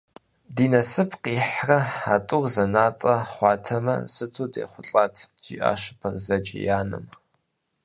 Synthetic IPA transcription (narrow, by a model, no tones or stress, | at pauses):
diːnɐsɨpʰqiːħrɐħatʼʊrzɐnaːtʼɐχʷɑːtʰɐmɐ̰sɨtʰuːdḛːχʷʊɬʼaːtʰʒ̥ḭːʔa̰ːʃɨ̥pʰɐrzɐd͡ʒʼɪ̰jaːnɨ̰m